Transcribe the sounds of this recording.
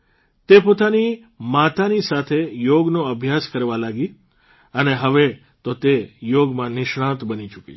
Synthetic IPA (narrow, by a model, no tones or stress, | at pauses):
t̪epot̪ani | mat̪anisat̪ʰejoɡnoəbʱjaskəɾʋalaɡi | əneɦəʋe | t̪ot̪ejoɡmãnɪʃɽãt̪bənit͡ʃukḭ